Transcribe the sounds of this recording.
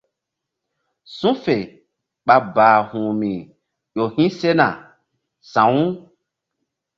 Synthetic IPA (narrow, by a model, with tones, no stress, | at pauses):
sũ˦fe˨ | k͡pa˧baː˨hũː˨mĩ˨ | jo˨hĩ˦se˦nã˨ | sã˨˦ũ˦